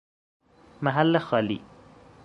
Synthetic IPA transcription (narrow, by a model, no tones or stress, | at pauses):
maɦalːaxaːlḭ